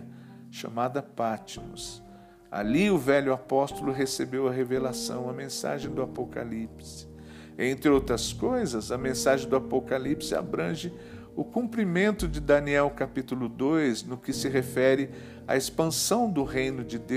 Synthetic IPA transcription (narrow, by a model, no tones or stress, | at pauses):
ʃa̰mad̪ɐpat͡ʃimʊs | a̰liʊvɛʎʊapɔst̪ʊlʊɦesebewɐɦevelasɐ̰̃w̃ɐmẽsa̰ʒẽj̃d̪ʊapoka̰lipsɪ̥ | ẽnt̪ɾɪowt̪ɾɐskojzɐzɐmẽsaʒẽj̃d̪ʊapokalipsɪa̰bɾɐ̃ʒɪ | ʊkũmpɾimẽnt̪ʊd͡ʒɪd̪ɐniɛwkapit̪ulʊd̪ojznʊkɪsɪɦefɛɾɪ | a̰espɐ̃sɐ̃w̃d̪ʊɦejnʊd͡ʒɪd̪e